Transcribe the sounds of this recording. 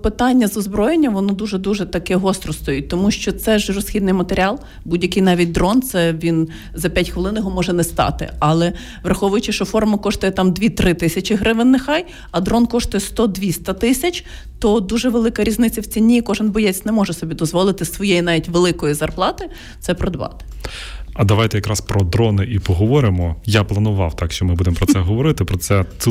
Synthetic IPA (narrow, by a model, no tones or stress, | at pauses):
pɪt̪ɑnʲːɐzɔzbɾɔjenʲːɐmʋɔnɔd̪uʒɛd̪uʒɛt̪ɐkɛɦɔst̪ɾɔst̪ɔjut̚ʲt̪ɔmuʃt͡ʃɔt̪sɛʒrɔsxʲid̪nɪjmɐt̪eɾʲɪɑlˠ | budʲjɐkɪjnɑʋʲit̚ʲd̪ɾɔnt̪sɛʋʲin | zɐpʲjatʲxʋelˠɪnjɔɦɔmɔʒɛnɛst̪ɑ̰t̪ɪ̰ɐlˠɛ | ʋrɐxɔʋʊjʊt͡ʃɪʃɔfɔrmɐkɔʃt̪ʊjɛt̪ɑmd̪ʲʋʲit̪ɾɪt̪ɪsʲɐt͡ʃɪɦɾɪʋɪnːexɑj | ɐd̪ɾɔnkɔʂt̪ʊjɛst̪ɔd̪ʋʲisʲt̪ɐt̪ɪsʲɐt͡ʃʲ | t̪ɔd̪uʒɛʋelˠɪkɐɾʲiznɪt͡sʲːɐwt͡sʲinʲːikɔʒɪnbɔjɛt͡sʲnɛmɔʒɛsɔbʲid̪ɔzʋɔlˠɪt̪ɪsʋɔjejinɑʋʲitʲʋelˠɪkɔjizɐrplˠɑt̪ɪ | t̪sɛpɾɔd̪ʋɑ̰t̪ɪ̥ɐd̪ɐʋajt̪ɛjɐkɾɑspɾɔd̪ɾɔnɪʔipɔɦɔʋɔɾɪmɔjaplˠɐnʊʋɑ̰wt̪ɑkʃt͡ʃɔmɪbud̪empɾɔsɛɦɔʋɔɾɪt̪ɪpɾɔt̪sɛ